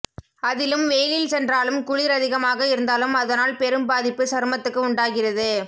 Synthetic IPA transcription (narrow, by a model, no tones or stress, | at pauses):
ɐðɪlɯmʋeːlɪlsɛndraːlɯmkʊɻɪɾɐðɪɣɐmaːɣɐɪɾɯnd̪aːlɯmɐðɐnaːlpɛɾɯmbaːðɪpːɯsɐɾmɐt̪ːɯkːɯʊɳɖaːɣɪrɐðɯ